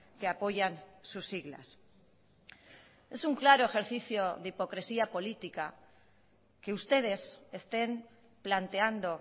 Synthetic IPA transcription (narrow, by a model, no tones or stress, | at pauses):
keapo̞ʝansusiɣla̰s | esuŋklaɾoe̞xe̞ɾθiθjoðipo̞kɾe̞siapo̞lit̪ika | ke̞ust̪e̞ð̞e̞se̞st̪e̞m | plant̪eand̪o̞